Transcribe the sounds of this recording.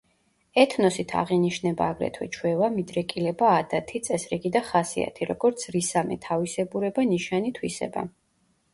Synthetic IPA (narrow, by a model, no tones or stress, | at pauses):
ɛt̪ʰnɔsit̪ʰa̰ʁiniʃnɛbaːɡɾɛ̰t̪ʰwɛ̰t͡ʃʰwɛvamid̪ɾɛkʼilɛbaːd̪at̪ʰit̪sʼɛsɾiɡid̪aχasia̰t̪ʰiɾɔɡɔɾt̪sʰɾisamɛ̰t̪ʰavisɛbuɾɛbaniʃanit̪ʰwisɛ̰ba̰